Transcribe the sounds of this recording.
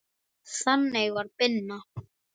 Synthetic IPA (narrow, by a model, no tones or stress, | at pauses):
sanːejvaɾpɪnːa